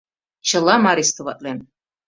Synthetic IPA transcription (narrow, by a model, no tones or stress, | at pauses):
t͡ʃʰəlamaɾist̪ʰuvat̪ʼlɛm